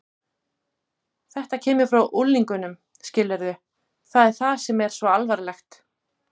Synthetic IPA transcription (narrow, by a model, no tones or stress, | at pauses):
θɛht̪acʰɛːmʏ̥fɾawʔulːiŋkʏnʏm | scɪlːɛɾðʏ | θaðɛɾ̥θḁsɛmɛɾ̥svɔalvaɾlɛxt̪